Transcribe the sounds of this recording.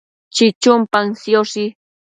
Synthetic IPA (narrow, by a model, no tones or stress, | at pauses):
t͡ʃɪt͡ʃʊmpaŋsjosɪ